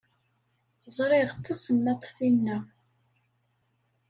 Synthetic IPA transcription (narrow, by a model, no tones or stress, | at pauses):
zˤɾˤɪʁt̪ːæsəmːæt̪ˤθinːæ